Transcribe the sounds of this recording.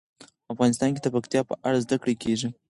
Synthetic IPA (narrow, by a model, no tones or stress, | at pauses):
afɣɑnɪst̪ɑnked̪əpakt̪ijɑpəʔaɽazd̪akɽekʰeʒi